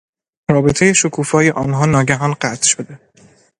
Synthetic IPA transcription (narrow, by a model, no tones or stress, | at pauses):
rɒːbe̞t̪ʰe̞je̞ʃokʰuːfɒːje̞ʔɒːnɦɒːnɒːɟæɦɒːnɢæt̪ʰʃod̪e